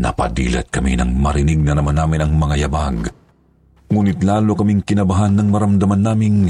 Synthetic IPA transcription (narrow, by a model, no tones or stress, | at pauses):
nɐ̰pɐ̰d̪ḭːlɐ̰t̪̚kɐmḭnɐ̰ŋmɐɾɪniɡ̚nɐnɐmɐnaːmɪnɐŋmɐŋajɐbaɡ | ŋuːnɪt̪laːlokɐmiŋkɪnɐbɐɦanːɐŋmɐɾɐmd̪ɐmɐnːaːmɪŋ